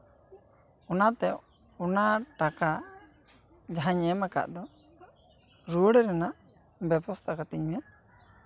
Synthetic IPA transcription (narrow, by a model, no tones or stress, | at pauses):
ɔnat̪ɛ | ɔnaʈaka | d͡ʒaɦaɲɛmaka̰ʔd̪ɔ | ɾuɽɛɾɛnaʔ | bɛbɔst̪ʰakat̪iɲmɛ